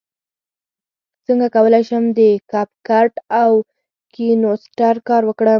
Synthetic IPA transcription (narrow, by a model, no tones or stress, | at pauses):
t͡səŋɡakawəlajʃəmd̪əkɑpkaʈaw | kinosʈaɾkɑɾwəkɽə